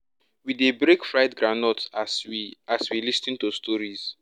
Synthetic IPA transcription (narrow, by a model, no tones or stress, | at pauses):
widebɹekfɹaɪtɡɹanɔtsaswilistĩntustʰɔɹiz̥